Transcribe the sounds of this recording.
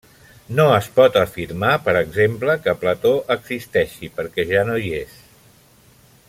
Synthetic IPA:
noəspɔt̪əfiɾmapəɾəɡzempləkəplət̪oʔəɡz̥ist̪ɛʃipəɾkɛʒanojes

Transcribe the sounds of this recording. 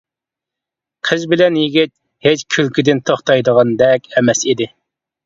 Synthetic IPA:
qʰəzbɪlɛnjiɡʲit̪̚ | het͡ʃkʲʰylkʲid̪ɪnt̪ʰoχt̪ɑjd̪əʁɑnd̪ɛkʲɛmɛsid̪ɪ

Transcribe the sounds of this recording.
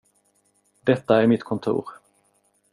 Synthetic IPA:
d̪̥ɛt̪ːaæɾmɪt̪kʰɔnt̪ʰṵːɾ

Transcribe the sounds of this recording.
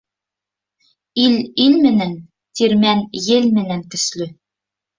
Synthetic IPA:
ililmɘ̆næn | t̪iɾmænjɘlmɘ̆næŋkɵ̆slɵ

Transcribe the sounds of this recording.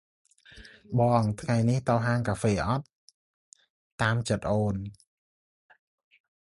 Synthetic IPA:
ɓɑːŋt̪ʰŋajniht̪oːɦaːŋkaːfeːʔɑt̪̚ | aːmt͡ɕət̪̚ʔoːn

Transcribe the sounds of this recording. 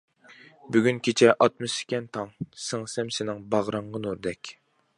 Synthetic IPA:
byɡʲynkʲʰet͡ʃʰɛʔɑt̪̚mɨsɪ̥kʲɛnt̪ʰɑŋsɪŋsɛmsɪnɪŋbɑʁɾɑɴʁənuɾd̪ɛkʲ

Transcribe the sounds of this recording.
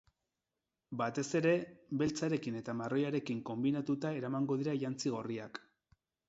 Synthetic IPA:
bat̪e̞se̞ɾe̞βe̞lt͡saɾe̞kine̞t̪amaro̞jaɾe̞kiŋko̞mbinat̪ut̪ae̞ɾamaŋɡo̞ð̞iɾaʎant͡siɣ̞o̞ria̰k

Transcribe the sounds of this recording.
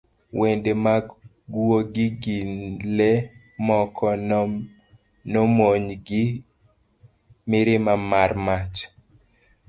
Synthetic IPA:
wendema | ɡuoɡɪɡinle | mɔkʰɔ | nɔmoɲɡɪ | mɪɾɪmamarmat͡ʃ

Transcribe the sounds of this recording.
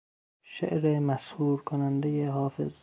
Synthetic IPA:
ʃḛʔɾemæshuːɾkʰonænd̪ejeɦɒːfḛz

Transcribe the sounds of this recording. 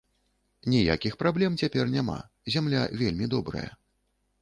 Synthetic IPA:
nʲija̰kʲixpɾablʲɛmt͡sʲapʲɛrnʲama̰ | zʲamlʲa̰vʲelʲmʲid̪ɔbɾɐ̰jɐ̰

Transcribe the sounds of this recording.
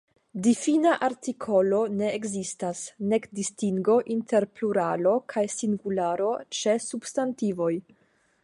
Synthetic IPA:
difinaʔaɾtikʰo̞lo̞ne̞ːɡzistasne̞kdistiŋɡo̞ʔintʰe̞ɾpluɾalo̞kʰajsiŋɡulaɾo̞t͡ʃe̞sub̥stantivo̞j

